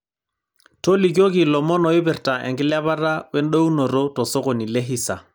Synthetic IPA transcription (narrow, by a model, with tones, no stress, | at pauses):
to˦li˨k̬o˦ki˨lɔ˨mɔ˦nɔ˨ɪ˦bɛ˨ɾta˨ʔɛ̰˨ŋkɪ˦la˦βa˦ɾa˦wɛ˦n˦ɗo˦wu˦no˨ɾo˦tɔ˨sɔ˦kɔ˨ni˨lɛ˦ɦi˦sa˨